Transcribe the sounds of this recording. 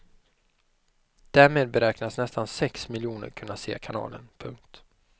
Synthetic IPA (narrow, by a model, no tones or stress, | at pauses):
d̪̥æɾmeːd̪̚bɛɾɛːknasnɛst̪ansɛksmɪljuːnə̰ɾkʰɵnːasḛːkʰanɑ̰ːlə̰npʰɵŋk̚t̪